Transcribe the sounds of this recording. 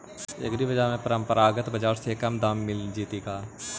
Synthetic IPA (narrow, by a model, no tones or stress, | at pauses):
ɐ̰ɡɾiʋɐd͡ʒaːmẽpɾə̃mpəɾaːɡət̪bɐd͡ʒaːɾsekɐmd̪aːmːɪld͡ʒiːt̪iːkaː